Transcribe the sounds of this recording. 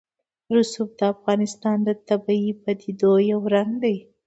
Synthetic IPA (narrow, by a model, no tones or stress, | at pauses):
ɾʊsub̚d̪əafɣɑnɪst̪ɑnd̪ət̪abɑipad̪id̪ojawɾaŋɡd̪aj